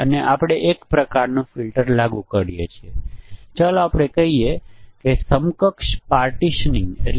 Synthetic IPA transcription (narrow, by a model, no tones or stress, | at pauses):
əneʔapɽ̃eʔekpɾəkaɾnũfilʈəɾlaɡũkəɾijḛt͡ʃʰiet͡ʃaloapɽ̃ekəɦiekesəmkəkʃpaɾʈiʃnĩŋɡḛl